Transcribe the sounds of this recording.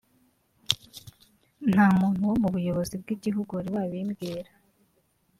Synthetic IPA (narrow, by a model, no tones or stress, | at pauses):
n̥haːmuːn̥huomuβujo̞βo̞zibɡiːɟiɦuɡuaɾiwaβiːmɡiːɾa